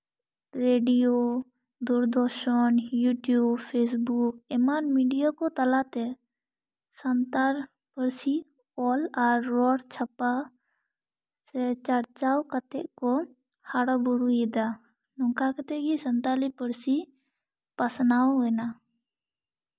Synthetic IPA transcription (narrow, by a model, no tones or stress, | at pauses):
ɾeːɖijo | d̪uɾd̪ɔɾʃənjuːʈjuːbpʰeːs̬buk̚ɛmanmiɖijokot̪əlat̪ɛ | sənt̪aɾ | pəɾsi | ɔːlaɾːɔːɽt͡ʃʰəpa | sɛt͡ʃəɾt͡ʃaːwkət̪ɛʔko | haɽobʊɽuid̪a | nɔ̃ŋkakət̪eɡisənt̪alipəɾsi | pəsnaːwɦena